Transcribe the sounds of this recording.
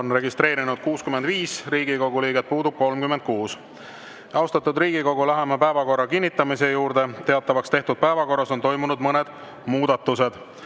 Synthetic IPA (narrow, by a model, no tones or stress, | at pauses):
nre̞ɡist̪ɾe̞ːɾinud̪̥̚kuːskymend̪viːsriːɡ̥iko̞ɡuliːɡet̪̚puːd̪ub̥̚ko̞lmkymend̪̚kuːs | ɑwst̪ɑt̪ːˑud̪riːɡiko̞ɡulæɦɑmepæevɑko̞rːɑkinʲːit̪ːˑɑmise̞juːɾd̪̥e̞t̪e̞ɑt̪ˑːɑvɑkst̪e̞ht̪ud̪̥̚pæevɑko̞rːɑso̞nt̪o̞jmunud̪mɤne̞d̪̥ | muːd̪̥ɑt̪ːˑuse̞d̪̥